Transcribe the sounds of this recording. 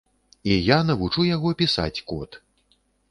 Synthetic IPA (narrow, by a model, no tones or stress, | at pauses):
ijanɐvut͡ʂujaɣɔpʲisa̰t͡sʲkɔt̪